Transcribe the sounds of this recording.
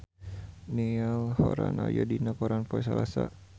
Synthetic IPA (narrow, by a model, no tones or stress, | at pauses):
nialhɔɾanajɔdinakɔɾanpɔɛs̬alasa